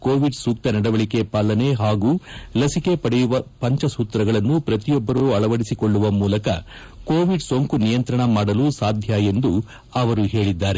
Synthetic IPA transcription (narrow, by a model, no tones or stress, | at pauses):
koːʋiɖsuːk̚t̪ɐnɐɽɐʋɐɭike̞paːlːɐne̞ɦaːɡuːlɐsike̞pɐɽɛjuʋɐpɐɲt͡ʃɐsuːt̪ɾɐɡɐɭɐnːupɾɐt̪ijɔbːɐɾuɐɭɐʋɐɽisikoɭːuʋɐmuːlɐkɐ | ko̞ːʋiɖsoŋkunijɐnt̪ɾɐɳɐmaːɽɐlusaːd̪ʱjaje̞nd̪u | ɐʋɐɾuɦe̞ːɭid̪ːaːɾe